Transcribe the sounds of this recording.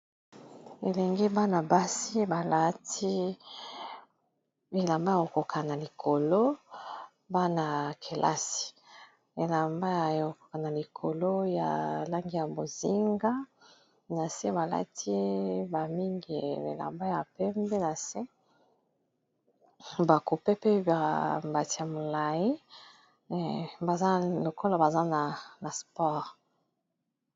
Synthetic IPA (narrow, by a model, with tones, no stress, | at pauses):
e˨lɛ˨ŋɡe˦ba˦na˨ba˦si˦ba˨la˦ti˦ | e˨la˨mba˦a˨o˨ko˨kʰa˨na˨li˨kʰo˨lo˦ | ba˦na˨kʰe˨lʔa̰˦si̥˨ | e˨la˨mba˦ja˨o˨ko̥˨ka˨na˨li˨kʰo˨lo˦ja̰˨la˦ŋɡi˦ja˨bo˨zi˦ŋɡa˦ | na˨se˦ba˨la̰˦tʰi˦ba˨mi˦ŋɡḭ˨ḛ˨la̰˨mba˦ja˨pɛ˦mbe˦na˨se˦ | ba˨ku˨pe˦pe˦ba˨ba˨ti˦a˨mo˨la˨ji˦˨ | ba˨za˦lo˨ko˦la˦ba˨za˦na˨na˨spɔ˦ʁ